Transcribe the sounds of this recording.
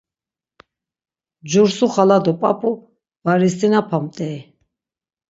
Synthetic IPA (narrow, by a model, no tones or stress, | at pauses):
d͡ʒuɾsuχalad̪ɔpʼapʼu | vaɾist̪ʼinapʰamt̪ʼɛ